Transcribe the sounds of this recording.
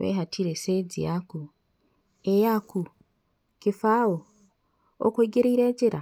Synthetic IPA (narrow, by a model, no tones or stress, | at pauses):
βḛɦatʰiɾesed͡zḭjaku | ejaku | kifaːwo | o̰kweɡeɾiiɾeːɟiɾa